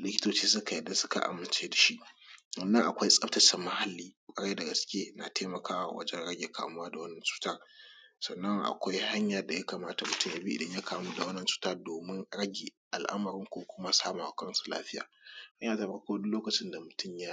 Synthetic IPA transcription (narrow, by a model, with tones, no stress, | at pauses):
lɪ˦kʲɪ̥˦toː˨t͡ʃiː˦s̬ʊ˦ka˨jɛ˨da˦sʊ˦ka̰˨ʔa̰˨mːɪ˨nt͡ʃeː˦da˨ʃi˦ʔwɐ˨nːɐ˦ŋʔa̰˨kʷa˦jsʼɐ˦ptɐ˨t͡ʃɛ˨mːɐ˦ha˨lːiː˦kʷʼɐ˦ɽa˦da˨ɡɐ˨skʲeː˦na̰˨tʰeː˦mɐ˨kaː˦wa̰˨wɐ̰˦d͡ʒɛ˦nɽɐ˦ɡʲeː˨kʰa̰ː˨m˦waː˦da˨wɐ˦nːɐ˨nt͡ʃu̥ː˦ta˦˨ | sɐ˨nːɐ˦ŋʔa̰˨kʷa˦jha˦ɲja˨rda˨ja˦kaː˨maː˦ta˨mʊ˨tʊ˦mja˨biː˦ʔɪ̰˨dɐ˦ɲja˦kʰaː˨mu˦da˨wɐ˦nːɐ˨nt͡ʃu̥˦taː˦doː˨mɪ˦nɽɐ˦ɡʲeː˨ʔa̰˨lʔa̰˦mɐ˨ɾɪ˦ŋkʷoː˦kʷʊ˦ma˦saː˦ma˨wa˨kʼɐ˦nsu˨la̰ː˦ɸɪ˦ja̰ː˨ha˦ɲjaː˨ta˨ɸɐ˦rkʷoː˦dʊ˦loː˦kɐ˨t͡ʃɪ˦nda˨mʊ˨tʊ˦mjaː˦